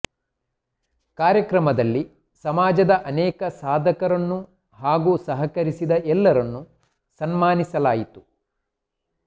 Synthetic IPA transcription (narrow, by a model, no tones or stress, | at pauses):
kaːɾjɐkɾɐmɐd̪ɐlːi | sɐmaːd͡ʒɐd̪ɐʔɐnɛːkɐsaːd̪ʱɐkɐɾɐnːu | ɦaːɡusɐɦɐkɐɾisid̪ɐʔɛlːɐɾɐnːu | sɐnmaːnisɐlaːjit̪u̥